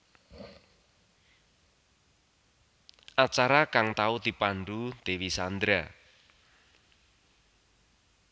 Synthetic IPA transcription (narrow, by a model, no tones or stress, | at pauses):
ʔat͡ʃaɾakaŋt̪aud̪̥ipaɳɖud̪̥ewisand̪ɾa